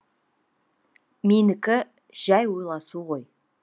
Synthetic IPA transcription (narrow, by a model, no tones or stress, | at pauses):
menɪkʲɪ | ʒ̥æjwo̞jlˠɑsuʁo̞j